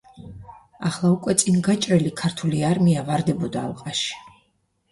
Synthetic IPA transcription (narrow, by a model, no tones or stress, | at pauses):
aχlˠaukʼwɛt̪sʼinɡat͡ʃʼɾɛlikʰaɾt̪ʰuliaɾmiavaɾd̪ɛbɔd̪aːlˠqʼaʃi̥